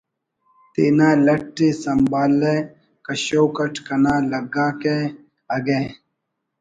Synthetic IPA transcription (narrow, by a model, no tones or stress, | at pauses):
t̪iːnaːlɐʈːeːsɐmbaːlːeː | kɐɕoːkɐʈkɐnãːlɐɡaːke | ɐɡeː